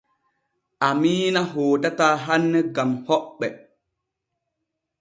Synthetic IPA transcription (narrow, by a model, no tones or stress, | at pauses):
ʔamiːnaɦoːtataɦanːɛɡamhɔɓːɛ